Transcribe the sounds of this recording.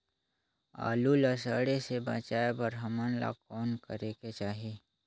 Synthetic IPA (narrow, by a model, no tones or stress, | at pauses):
a̰ːlulasaːɽesebə̰t͡ʃaːebəɾɦɐmənla̰kɔːnkəɾeːket͡ʃaːɦi